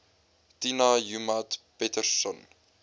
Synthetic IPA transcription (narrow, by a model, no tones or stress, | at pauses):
tinajumatpɛtərsɔn